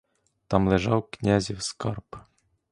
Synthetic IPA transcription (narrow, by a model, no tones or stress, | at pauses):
t̪ɑmlˠeʒɑwknʲazʲiwskɑrp